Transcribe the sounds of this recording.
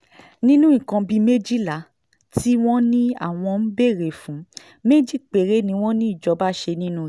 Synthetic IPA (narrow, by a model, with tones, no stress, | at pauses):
nĩ˦nũ˦ĩ˨kã˧bi˧˦me˦d͡ʒi˦˨la˨˦ | ti˦w̃ɔ̃˦nĩ˦a̰˦˨w̃ɔ̃˧n̩˦be˦˨ɾe˨fũ˨˦ | me˦d͡ʒi˦˨k͡pe˨ɾe˨˦nĩ˧˦w̃ɔ̃˦nĩ˦i˦˨d͡ʒɔ˧˦ba˦ʃe˧nĩ˦nũ˦˨